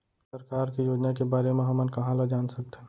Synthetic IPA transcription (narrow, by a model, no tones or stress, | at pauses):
səɾkaːɾkijoːd͡ʒnakebaːɾemẽɦɐmənkɐɦãlad͡ʒaːnsək̚t̪ɛ̃ː